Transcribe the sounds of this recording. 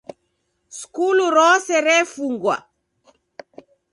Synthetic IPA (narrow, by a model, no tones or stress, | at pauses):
skuluɾɔsɛɾɛfuŋɡwa̰